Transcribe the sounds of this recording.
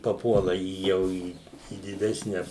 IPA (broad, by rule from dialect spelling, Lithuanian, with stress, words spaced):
pɐˈpuɔlˠɐ iː ˈjɛʊ iː iː dʲɪˈdʲæːsʲnʲɛ